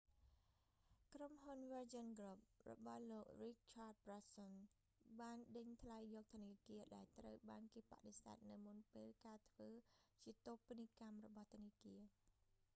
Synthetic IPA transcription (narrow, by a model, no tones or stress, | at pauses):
kromɦunʋəd͡ʑənɡrop̚rɔ̰ɓɑhloːk̚rik̚t͡ɕʰaːt̪̚prason | ɓaːnɗəɲt̪ʰlajːɔːk̚t̪ʰoniəkiəɗaɛlt̪rəwɓaːnkeːpaʔɗesa̰ɛt̪̚nɨwmunpeːlkaːt̪ʰʋəːt͡ɕiət̪opinikamrɔɓɑht̪ʰoniəkiə